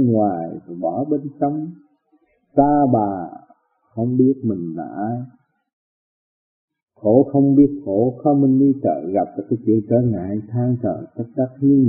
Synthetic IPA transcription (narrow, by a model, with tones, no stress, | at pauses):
ŋwaː˨˩jɓɔ˧˨˩ɓe˧nsə˧wŋ͡m | t̪aː˧ɓaː˨˩ | xə˧wŋ͡mɓi˦˥ət̚mï˨˩ŋ̟la̰ː˧˨ | xʰo˧˨˦xə˧wŋ͡mɓi˦˥ət̚xo˧˩˦xa˧mï˨˩ŋ̟ɗi˧t̪ə̰ː˧˨˩ɣa˨˩p̚t͡ɕɔ˧˩kːaː˨˦jt͡ɕḭ˨˧˨əŋkəː˧˩ŋa̰ː˧˨˦jt̪ʰaː˧ŋt͡ɕə̰ː˧˨˩t̪ə˦˥k̚ɗ̪a˦˥k̚ɲɨ˧ŋ